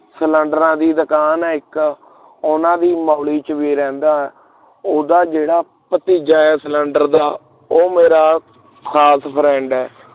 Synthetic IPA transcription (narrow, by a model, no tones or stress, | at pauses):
sələ̃ɳɖəɾãːd̪iːd̪əkaːnɛːɪk | ʊnãːd̪iːmaːliːt͡ʃʋiːɾɛ̃ːnd̪aːɛː | oːd̪aːd͡ʒeːɽaː | pət̪iːd͡ʒaːɛːsələ̃ɳɖəɾd̪aː | oːmeːɾaː | kʰaːspʰɾɛ̃ːɳɖɛː